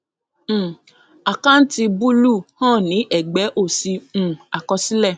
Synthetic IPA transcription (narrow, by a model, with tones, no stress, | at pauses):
a˨kã˦n̩˦ti˧bu˦lu˦˨hã˦˨nĩ˨˦ʔɛ˨ɡ͡bɛ˨˦ʔo˦˨si˧ũ˦˨a˨kɔ˧si˦lɛ˦˨